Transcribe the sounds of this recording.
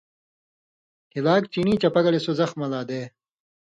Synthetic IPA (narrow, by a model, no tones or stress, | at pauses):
hilaːkt͡ɕiniːt͡ɕɐpɐɡɐlesozɐxmɐlaːd̪eː